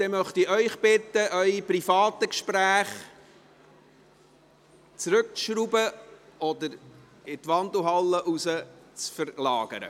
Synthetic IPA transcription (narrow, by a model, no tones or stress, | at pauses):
d̥̪ɛmœχt̪iœʏχb̥ɪt̪ːəʔœʏiprifɑːt̪əkʃpɾæːχ | t͡sɾɵk̚ʃɾubəʔɔd̪əɾ | ɪt̪ʋɑnd̪l̩ɦɑlːəʔusət͡sfəɾlɑːɡ̥ə̰ɾə̰